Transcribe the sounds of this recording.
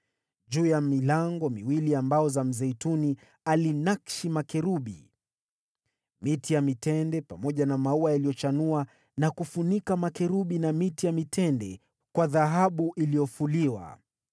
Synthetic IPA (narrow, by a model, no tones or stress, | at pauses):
ʄuːjamilaŋɡɔmiwiliambaɔzam̩zɛituni | alinakʃimakɛɾuɓḭ | mitijamitɛndɛpamɔʄanamauajalijɔt͡ʃanua | nakufunikamakɛɾuɓinamitijamitʰɛndɛ | kwaðaɦaɓuʔilijɔfuliwa̰